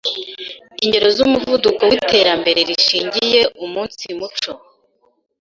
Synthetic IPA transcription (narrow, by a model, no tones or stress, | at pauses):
iɲɟe̞ɾo̞zumuvudukowite̞ːɾambe̞ɾe̞ɾiʃiːɲɟije̞ʔumuːnsimut͡ʃo̞